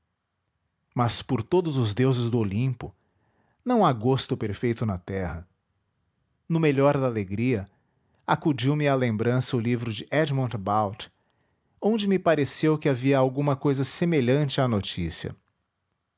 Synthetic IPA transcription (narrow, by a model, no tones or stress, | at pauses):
mɐspʊɾt̪od̪ʊzʊzd̪ewzɪzd̪ʊolĩpʊ | nɐ̃w̃aɡost̪ʊpeɾfejt̪ʊnɐt̪ɛhɐ | nʊmeʎɔɾd̪ɐaleɡɾiɐ | akud͡ʒiwmɪalẽmbɾɐ̃sɐʊlivɾʊd͡ʒɪʔɛd͡ʒ̪mõd̪bawt̪ | õnd͡ʒɪmɪpaɾesewkɪaviɐawɡũmɐkojzɐsemeʎɐ̃nt͡ʃɪanot͡ʃḭsiɐ̰